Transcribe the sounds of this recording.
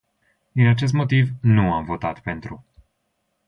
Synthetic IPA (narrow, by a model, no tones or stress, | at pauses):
d̪inat͡ʃe̞s̬t̪mo̞t̪ivnuamvo̞t̪at̪pe̞nt̪ɾu